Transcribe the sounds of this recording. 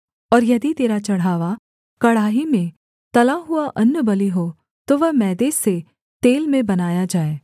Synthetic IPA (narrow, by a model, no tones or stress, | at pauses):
ɔːɾjɐd̪it̪eːɾat͡ʃɐɽ̤aːʋa | kɐɽaːɦimẽ | t̪ɐlaɦʊaʔɐnːəbɐliɦo | t̪oʋɐɦmɛːd̪eːse | t̪eːlmẽbɐnaːjad͡ʒaːeː